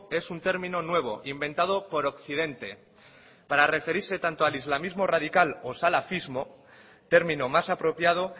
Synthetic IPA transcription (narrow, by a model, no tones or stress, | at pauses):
e̞sunt̪eɾmĩno̞nwe̞β̞o̞̰ʔimbe̞nt̪að̞o̞po̞ɾo̞kθið̞e̞nt̪e̞ | paɾare̞fe̞ɾiɾse̞t̪ant̪oalizlamizmo̞rað̞ikalo̞salafizmo̞ | t̪e̞ɾmĩnomasapɾo̞pjað̞o̞